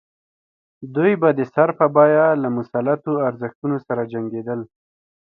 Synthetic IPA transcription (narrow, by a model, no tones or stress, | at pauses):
d̪ujbad̪əsaɾpəbɑjalamʊsalat̪oaɾzəxt̪unosaɾad͡ʒaŋɡed̪əl